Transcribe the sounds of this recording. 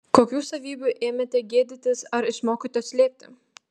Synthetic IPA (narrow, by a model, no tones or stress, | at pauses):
koːkʲuːsɐʋʲiːbʲuʔeːmʲet̪ʲɛɡʲeːd̪ʲɪt̪ʲɪsɐɾɪʃmoːkʲit̪ojsʲlʲeːp̚ʲt̪ʲɪ